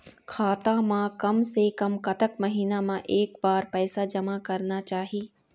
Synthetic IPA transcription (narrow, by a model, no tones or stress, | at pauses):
kʰaːt̪amãkɐmsekɐmkɐt̪əkmɐɦiːnamãʔeːkbaːɾpɛːsad͡ʒɐmakɐɾnat͡ʃaːɦiː